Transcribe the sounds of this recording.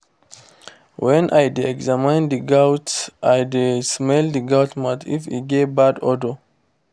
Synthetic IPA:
wɛ̃nʔajdɛkzamãjnd̪iɡawtʔajdesmɛld̪iɡatmatʰḭfḭɡebadɔdo

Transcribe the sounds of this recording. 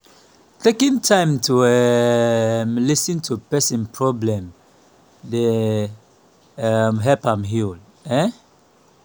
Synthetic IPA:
tekĩntʰãɪ̃mtʰuɛ | mlisĩntʰupɛsĩnpʰɹɔblɛ̃m | de | amɦɛpãmɦil | ɛ

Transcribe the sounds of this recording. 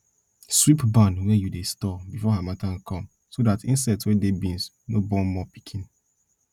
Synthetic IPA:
swipbãnwɛjudestɔbifɔɦamatãnkʰɔ̃m | sodatĩnsɛtswɛdebĩns | nobɔ̃nmɔpi̥kʰĩn

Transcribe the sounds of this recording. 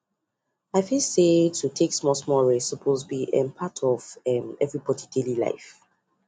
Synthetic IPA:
aɪfilsetʰutʰeksmɔsmɔɹesəpʰozbiʔɛ̰̃npʰatʰɔvɛmɛvɹibɔdidelila̰ɪf

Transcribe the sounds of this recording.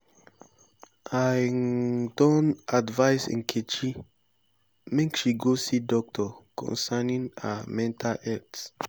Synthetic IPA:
a | dɔ̃nadvaɪsɪ̰̃ŋ̩kʰet͡ʃi | mɛ̃ŋkʃiɡosidɔk̚tɔkʰɔ̰̃nsanĩŋa̰mɛ̃ntʰalɛts

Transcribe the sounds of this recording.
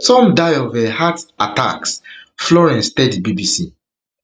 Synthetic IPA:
tɔ̃mdajɔvɛhatata̰ksflɔɹɛ̃nstɛdibibisi

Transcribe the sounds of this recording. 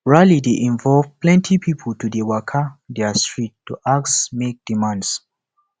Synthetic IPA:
ɹalideʔĩɱvɔlvplɛ̃ntʰipʰipʰəltudewakʰadɛastɹitːuʔaksmek̚d̥imãnds

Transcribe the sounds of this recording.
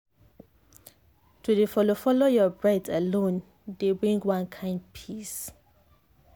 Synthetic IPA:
tʰudefɔlofɔlojɔbɹaɪtʰalõn | debɹĩŋɡwãnkʰãɪ̃nd̚pʰis

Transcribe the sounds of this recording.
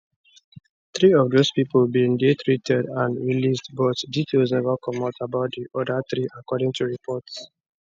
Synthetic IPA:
θɹiɔvdospipɔlbĩndit̪ɹitʰɛdãnɹilisdbɔtditʰelsnɛvəkɔmɔ̃tabaʊt̚diʔɔdat̪ɹiʔakɔɾĩŋtʰuɹipʰɔts

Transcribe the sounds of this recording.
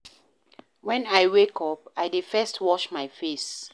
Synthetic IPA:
wɛ̃naɪwekʰɔp̚aɪdɪ̥fɛstʰwɔʃmaɪfes

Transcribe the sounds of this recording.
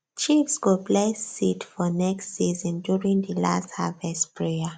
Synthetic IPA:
t͡ʃifsɡuplesitfɔnɛkstsizɔ̃ndjuɹĩŋðəla̰stha̰vɛstpʰɹea

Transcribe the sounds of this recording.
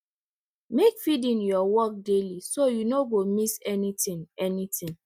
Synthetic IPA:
mekfidĩnjɔwɔk̚delisojunoɡomisɛnitĩnɛnitĩn

